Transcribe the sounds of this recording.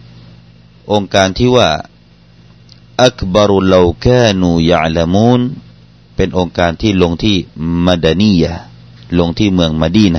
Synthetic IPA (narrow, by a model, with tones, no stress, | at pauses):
ʔo˧ŋkaː˧nt̪ʰiː˥˩waː˥˩ | ʔa˦kba˧ɾla˧wkaː˥˧nuː˧ja̰˨ʕla˧muː˥n | pe˧nʔo˧ŋkaː˧nt̪ʰiː˥˩lo˧ŋt̪ʰiː˥˩ma˧da˧ni˥˨ja˧ | lo˧ŋt̪ʰiː˥˩mɯ˧əŋma˧diː˧˩na˧˩